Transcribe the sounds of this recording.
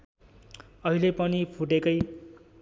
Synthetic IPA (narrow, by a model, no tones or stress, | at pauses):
ʌɦilepʌnipʰuʈekʌj